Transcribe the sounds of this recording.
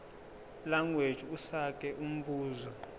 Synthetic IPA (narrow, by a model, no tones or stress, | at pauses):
laŋɡwe̥ʒ̥ʱiusak̬ʼɛʔum̩ɓuːzɔ